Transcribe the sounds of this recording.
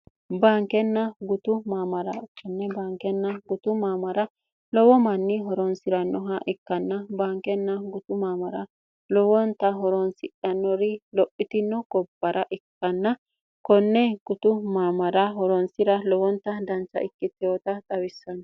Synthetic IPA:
baːŋkɛnːɐɡʊt̪ʊmaːmɐɾɐkːɔnːɛbaːŋkɛnːɐɡʊt̪ʊmaːmɐɾɐ | lɔwɔmɐnːɪɦɔɾɔnsɪɾɐnːɔɦɐʔɪkːɐnːɐbaːŋkɛnːɐɡʊt̪ʊmaːmɐɾɐ | lɔwɔnt̪ːɐɦɔɾɔnsɪʔɐnːɔɾɪlɔʔːɪt̪ɪnːɔɡɔbːɐɾʔɐʔɪkːɐnːɐ | kɔnːɛɡ̥ʊt̪ʊmaːmɐɾɐɦɔɾɔnsɪɾɐlɔwɔnt̪ːɐd̪ɐnt͡ʃːɐ̰ʔɪkːɪt̪ːɪjɔt̪ɐt̪ʼɐwɪsːɐn

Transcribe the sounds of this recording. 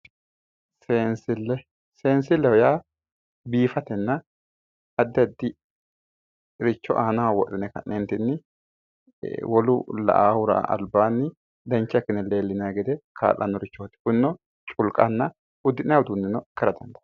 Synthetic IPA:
seːnsɪlːɛ | seːnsɪlːɛhɔjaː | biːfɐt̪ɛnːɐ | ɐd̪ːɐd̪ːɪ | ɾɪt͡ʃːɔʔaːnawɔʔɪnɛkɐ̰nent̪ɪnːɪ | wɔlʊ̰lɐ̰ʔa̰ːhʊɾa̰ɐ̰lbaːnːɪ | d̪ɛnt͡ʃːɐkːɪnːɛle̞ːlːɪnaːɡɛd̪ɛkʰa̰ːlʔɐ̰nːɔɾɪt͡ʃːɔt̪ːɪ̥kʊnːɔ | t͡ʃʼʊlkʼɐnːɐ | ʊd̪ːɪnɐwʊd̪unːɪnɔkɛɾɐd̪ɐnd̪ɐ̥

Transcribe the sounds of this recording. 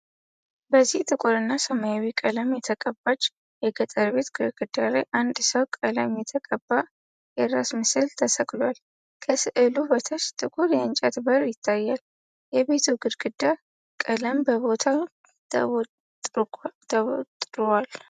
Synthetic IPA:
bəzːiht̪ʼɨkʼuɾɨnːasəmajawikʼələmjɛt̪ʰəkʼəbːat͡ʃʼː | jɛɡət̪ʼəɾbe̞t̪ɡɨɾɡ̥ɨd̪alajʔand̪səwkʼələmjɛt̪ʰəkʼəbːa | jɛɾasmɨsɨlt̪ʰəsəkʼlwal | kʰəsɨʔɨlubət̪ʰəʃt̪ʼɨkʼuɾjɛɨnt͡ʃʼat̪bəɾjɪt̪ʰːajːal | jɛβe̞t̪ʰuɡɨɾɡɨd̪ːa | kʼələmbəβo̞t̪ʰa | t̪ʼɨɾwal

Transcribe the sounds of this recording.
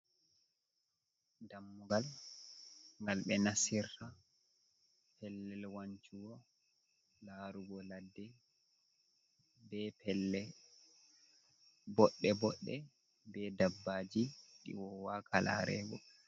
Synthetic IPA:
damːuɡal | ŋɡalɓɛnasiɾta | pɛlːɛlwaɲt͡ʃuwɔ | laːɾuɡɔladːɛ | bɛpɛlːɛ | bɔɗːɛbɔɗːɛ | bɛdabːaːd͡ʒiɗḭwɔwakʰala̰ɾɛ̰ɡɔ̰

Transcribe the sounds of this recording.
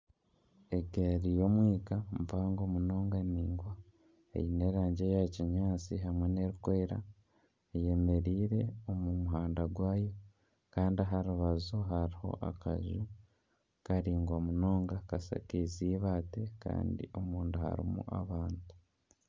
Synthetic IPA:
eɡeɾijo̞mwiːkamvaːŋɡo̞ːmuno̞ːŋɡaniːŋɡwa | ḛjine̞ːɾaːɲɟejaciɲaːt͡siɦamwe̞ne̞ɾukwe̞ːɾa̰ | je̞me̞ɾiːɾe̞omumuɦaːndaɡwaːjo̞ | kaːndiaɦaɾuβazoɦaɾiho̞̰ʔa̰ka̰ʒu | kaɾiːŋɡwamuno̞ːŋɡakasa̰keziːβaːte̞ka̰ːndḭomuːnduha̰ɾḭmṵʔa̰βaːntu̥

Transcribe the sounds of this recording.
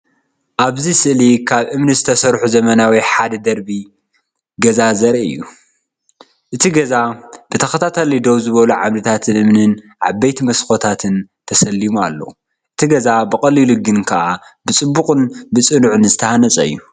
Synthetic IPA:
ʔaβzisɨʔlikʰaβʔɨmnɨzɨt̪ʰɐsɐɾħuzɐmɐnawiħad̪ɐd̪ɐɾbi | ɡɐzazɐɾɨ̰jːṵ | ʔɨt̪ʰiɡɐzab̥ɨt̪ʰɐxɐt̪ʰat̪ʰɐlid̪oβzɨβɐluʕaβlɨt̪ʰat̪ʰɨnʔɨmnɨn | ʕa̰bːejt̪mɐsxo̞t̪ʰat̪ʰɨnt̪ʰɐsɐlːimualːo̰ | ʔɨt̪ʰiɡɐzabɨkʼɐliluɡɨnkʰɐʔabɨt͡sʼɨbːukʼɨnbɨt͡sʼɨnuʕɨnzɨt̪ʰɐhanɐt͡sʼɐɨ̰jːu

